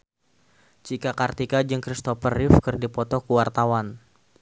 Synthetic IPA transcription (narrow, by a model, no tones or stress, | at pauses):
t͡ʃikakart̪ikad͡ʒɨŋkɾist̪ɔpərɪfkɨrdipɔt̪ɔkuwart̪awan